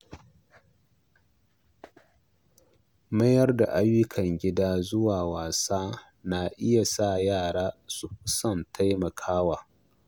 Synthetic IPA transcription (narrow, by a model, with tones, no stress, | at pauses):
mɐ˦jɐ˦rda˨ʔa˦jːʊ˦kʰɐ˨ŋɡʲɪ˦daː˦zʊ˦waː˨waː˨saː˦ | na˨ʔɪ˦ja˨sa˦˨jaː˦˨ɽaː˦su˨ɸʊ˦sɐ˦ntʰa˦jmɐ˨kʰaː˦waː˨